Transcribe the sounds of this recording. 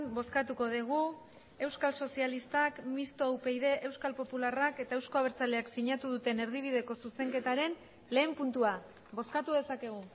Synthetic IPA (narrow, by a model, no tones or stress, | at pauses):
mbo̞skat̪uko̞ð̞iɣ̞u | e̞wskalso̞sialist̪akmist̪o̞wpe̞jðe̞ʔewskalpo̞pularake̞t̪aewsko̞aβ̞eɾt͡sale̞aksiɲat̪uðut̪e̞ne̞ɾðiβ̞ið̞e̞ko̞suse̞ŋke̞t̪aɾe̞n | le̞ːmpunt̪ua | bo̞skat̪uðe̞sake̞ɣ̞u